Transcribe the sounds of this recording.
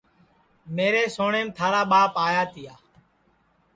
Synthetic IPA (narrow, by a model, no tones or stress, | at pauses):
meːɾeːsoːɳeːmt̪ʰaːɾaːɓaːpaːjaːt̪ɪjaː